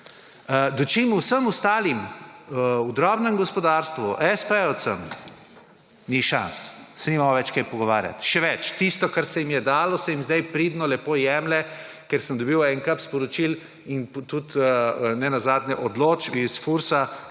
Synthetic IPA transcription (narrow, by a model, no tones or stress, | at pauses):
əd̪ɔt͡ʃiːmuwsəmust̪aːlim | ud̪ɾɔbnɛmɡɔspɔd̪aɾst̪ʋuʔɛspəɔsəm | niʃa̰nssɛnimamoʋɛt͡ʃkajpɔɡɔʋaːɾja̰t̪ʃɛʋɛt͡ʃt̪ist̪ɔkaɾsɛjimjɛd̪aːlɔsɛjimzd̪ajpɾid̪nɔlɛpojɛmlɛ | kɛɾsəmd̪ɔbiwɛŋkəpspɔɾɔt͡ʃil | int̪ut̪ːnɛnazaːd̪njɛʔɔd̪loːt͡ʃisfuɾsa